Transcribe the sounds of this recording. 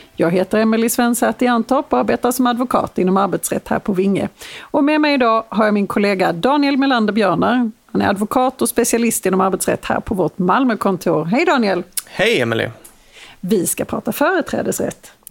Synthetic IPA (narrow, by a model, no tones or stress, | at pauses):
jɑːɡɦeːt̪əɾɛmɛlɪsvɛnsæt̪ɪant̪ʰɔpʰaɾbeːt̪asɔmad̪vʊkʰɑ̰ːt̪ɪnːɔmaɾbɛt̪sɾɛ̰t̪ːhæ̰ːɾpʰɔvɪŋːə̰ɔmɛmɛjɪd̪ɑːɦaɾjamɪnkʰʊleːɡad̪ɑːnɪɛlmɛland̪əbjœːɳəɾhanæ̰ɾad̪vʊkʰɑːt̪ɔspɛsɪalɪst̪ɪnːɔmaɾbɛt̪sɾɛ̰t̪ːhæ̰ːɾpʰɔvɔʈmalməkʰɔnt̪ʰuːɾɦɛjd̪ɑːnɪɛlhɛjɛmɛlɪ̰ | vɪskapʰɾɑ̰ːt̪afœːɾət̪ʰɾɛ̰ːd̪əsɾɛ̰t̪ː